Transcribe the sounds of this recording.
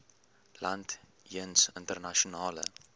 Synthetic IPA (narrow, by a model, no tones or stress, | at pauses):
lɐnt | jənsəntərnaʃonɑːlə̰